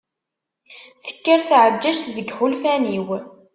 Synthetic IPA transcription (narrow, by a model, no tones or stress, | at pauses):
θə̥kːəɾθʕəd͡ʒːæʃtðəɡħʊlfæniw